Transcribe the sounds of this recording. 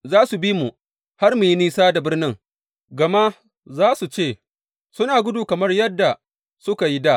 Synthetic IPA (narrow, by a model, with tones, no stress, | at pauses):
zaː˦su˨bi˦mu˨ | ha˦rmu˨ji˦niː˦saː˦da˨bɪ˦rnɪ˦ŋ | ɡɐ˨ma˦ | zaː˦su˨t͡ʃeː˦˨ | sʊ˦naː˨ɡʷʊ˦duː˨kɐ˨mɐ˦rjɐ˦dːa˨ | sʊ˦ka˨ji˦daː˦˨ʔ